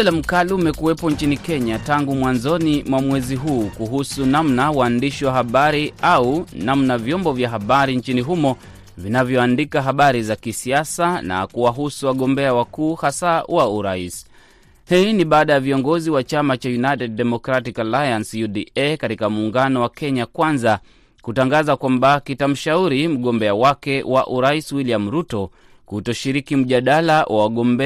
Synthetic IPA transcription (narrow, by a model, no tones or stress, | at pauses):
ɛlam̩kaliumɛkuwɛpɔɲt͡ʃinikɛɲataŋɡumwanzɔnimwamwɛziɦuːkuɦusunamnawaːndiʃiwaɦaɓaɾiaunamnavjɔmbɔvjaɦaɓaɾiɲt͡ʃiniɦumɔ | vinavjɔandikaɦaɓaɾizakisiasana̰kuwaɦusuwaɠɔmbɛawakuːhasawauɾais | hiːniɓaːɗajaviɔŋɡɔziwat͡ʃamat͡ʃajunajtɛd̚ːɛmɔkɾatikalajansjuɗiɛkatikamuːŋɡanɔwakʰɛɲakwanza | kutaŋɡazakwambakitam̩ʃauɾim̩ɠɔmbɛawakɛwaʔuɾaiswiliam̩ɾutɔ | kutɔʃiɾikim̩ʄaɗalawʔawaɠɔmbɛ